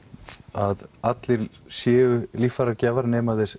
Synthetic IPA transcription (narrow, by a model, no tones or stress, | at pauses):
aðat̪lɪɾsjɛːʏlifaɾacɛːvaɾnɛːmaðɪɾ̥